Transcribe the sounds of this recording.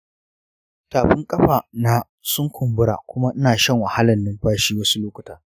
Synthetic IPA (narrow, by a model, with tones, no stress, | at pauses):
taː˨ɸɪ˦ŋkʼɐ˦ɸaː˨na˨ | sʊ˦ŋkʷʰʊ˨mbʊ˦ɽa̰ː˨kʷʊ˦ma˦ʔɪ˦naː˨ʃɐ˦˨ŋwɐ˨ha˦lɐ˨nːɪ˦mɸaː˦ʃiː˦wɐ˦su˦loː˦kʷʊ̥˨taː˦